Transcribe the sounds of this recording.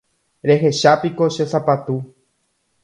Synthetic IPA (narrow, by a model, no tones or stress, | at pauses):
ɾe̞ɦe̞ʃapiko̞ʃesapat̪u